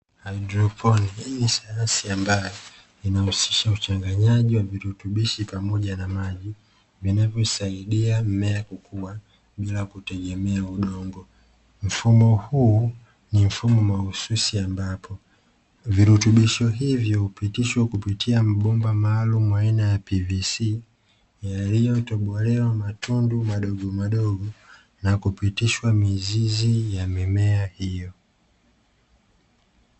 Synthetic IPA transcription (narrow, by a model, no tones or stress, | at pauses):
adɾɔpʰɔniinisajansiambajɔ | inahusi̥ʃaut͡ʃaŋɡaɲaʄiwaviɾutuɓiʃipamɔʄanamaʄi | vinavjɔisaiɗiam̩mɛakukʰuwa | ɓilakutɛɡɛmɛauɗɔŋɡɔ | m̩fumɔhuː | nim̩fumɔmahususiambapʰɔ | viɾutuɓiʃɔɦivjɔhupitiʃwakupitʰiam̩ɓɔmbamaːlumuwainajapivisi | jalijɔtɔɓɔlɛwamatʰundumaɗɔɡɔmaɗɔɡɔ | nakupitiʃwamizizijamimɛahijɔ